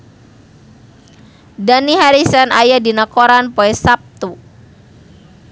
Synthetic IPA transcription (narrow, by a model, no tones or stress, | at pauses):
daniɦaɾisanajadinakoɾanpoɛsap̚t̪u